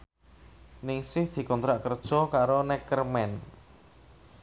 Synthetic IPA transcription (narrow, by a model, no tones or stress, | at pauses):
nɪŋsɪhd̪̥i̤kɔnt̪ɾaʔkərd̥ʒ̥ɔ̤kaɾonɛkərmɛn